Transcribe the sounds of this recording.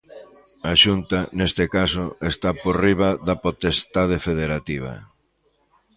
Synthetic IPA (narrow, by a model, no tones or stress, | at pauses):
aʃunt̪ɐnest̪ɪkasʊest̪aporiβ̞ɐðɐpot̪est̪að̞efeðeɾat̪iβ̞ɐ̰